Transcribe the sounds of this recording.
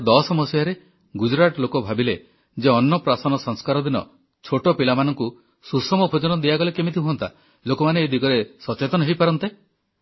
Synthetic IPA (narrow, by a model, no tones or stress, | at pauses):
d̪ɔsɔmɔsjaɾe | ɡud͡ʒɾaʈɔlokɔbʱabile | d͡ʒeɔnːɔpɾasɔnɔsɔŋskaɾɔd̪inɔ̰ | t͡ʃʰoʈɔpilamanɔŋku | susɔmɔpʰud͡ʒɔnɔd̪iaɡɔlekemit̪ʰiɦuɔnt̪ʰa̰ | lokɔmaneːd̪ʱiɡɔɾesɔt͡ʃet̪ɔnɔɦejpaɾɔnt̪e